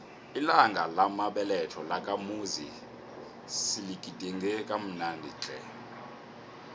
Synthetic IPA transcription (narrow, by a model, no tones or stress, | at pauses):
ilaŋɡʱalamaɓɛlɛtʰɔlakʼamuzi | silikʼidʱʼiŋɡʱɛkʼam̩nandʱit͡ɬʼɛ̰